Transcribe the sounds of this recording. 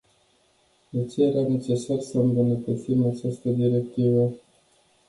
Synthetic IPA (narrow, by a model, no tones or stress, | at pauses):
net̪sieɾane̞t͡ʃe̞sarsəɨmbunət̪ət̪simat͡ʃast̪əd̪iɾe̞k̚t̪ivə